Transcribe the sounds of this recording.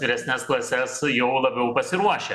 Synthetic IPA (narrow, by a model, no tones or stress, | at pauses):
ʋʲɪɾʲɛsʲnʲɛsklˠɐsʲɛsjɛʊlˠɐbʲɛʊpɐsʲɪɾuɔʃʲɛ